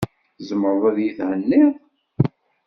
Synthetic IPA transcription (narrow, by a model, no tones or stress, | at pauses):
zəməɾˤðˤæðjiθʕənːɪðˤ